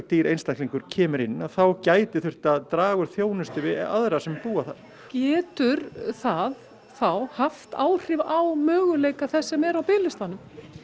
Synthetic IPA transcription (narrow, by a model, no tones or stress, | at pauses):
t̪iːɾʔejnst̪ahk̪liŋkʏɾ̥cʰɛːmʏɾɪnːaθawcaːjt̪ɪθʏr̥t̪aðt̪ɾaːɣʏɾ̥θjoːwnʏst̪ɪvɪa̰ðɾasɛmpuːaθaɾ̥ | cɛːt̪ʏɾθað | θawhaft̪aːwr̥ɪvawmœːɣʏleːjkaθɛsːɛmɛɾawpɪːlɪst̪anʏm